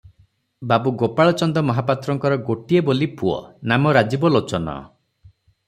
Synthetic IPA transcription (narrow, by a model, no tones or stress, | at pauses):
babuɡopaɭɔt͡ʃɔnd̪ɔmɔɦapat̪ɾɔŋkɔɾɔɡoʈiebolipuɔ̰namɔɾad͡ʒibɔlot͡ʃɔnɔ̰